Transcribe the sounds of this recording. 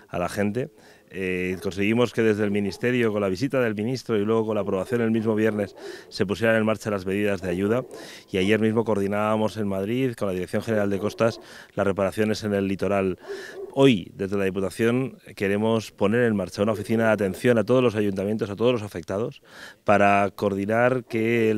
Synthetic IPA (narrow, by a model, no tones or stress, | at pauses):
a̰laxe̞nt̪e̞ | ko̞nseɣ̞imo̞ske̞ðe̞zðelmĩnist̪e̞ɾjo̞ko̞nlaβ̞isit̪aðe̞lmĩnist̪ɾo̞ilwe̞ɣ̞oko̞nlaːpɾo̞β̞aθjo̞ne̞lmizmo̞β̞je̞ɾne̞sːe̞p̬usje̞ɾane̞nmaɾt͡ʃalazmeð̞iðazðeaʝuða | iaʝe̞ɾmizmo̞koɾðinaβamo̞se̞nmaðɾiðko̞nlaðiɾekθjo̞ŋxene̞ɾald̪e̞ko̞st̪aslasre̞paɾaθjo̞ne̞se̞ne̞lːit̪o̞ɾalo̞jd̪e̞zðelað̞ip̬ut̪aθjo̞ŋke̞ɾe̞mo̞spo̞ne̞ɾe̞nmaɾt͡ʃaunao̞fiθinaðat̪e̞nθjo̞nat̪o̞ð̞o̞zlo̞saʝunt̪amje̞nt̪os̬at̪o̞ð̞losafe̞k̚t̪að̞o̞spaɾako̞ɾð̞inaɾke̞